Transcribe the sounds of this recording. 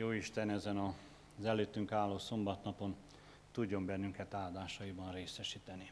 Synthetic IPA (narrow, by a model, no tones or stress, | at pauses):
joːiʃt̪ɛnɛzɛnɒ | zɛløːt̪ːyŋkaːlːoːso̞mbɒt̪nɒpo̞n | t̪uɟːo̞mbɛnːyŋkɛt̪aːd̪aːʃɒjibɒnreːsɛʃiːt̪ɛni